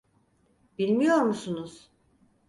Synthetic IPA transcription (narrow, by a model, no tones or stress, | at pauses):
bilʲmijo̞ɾmusunuz̥